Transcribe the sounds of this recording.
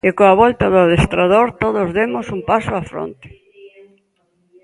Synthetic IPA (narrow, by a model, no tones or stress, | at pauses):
ɪkoaβɔlt̪aðʊaðest̪ɾaðoɾt̪oðozðemosumpasoafɾo̰nt̪ɪ̥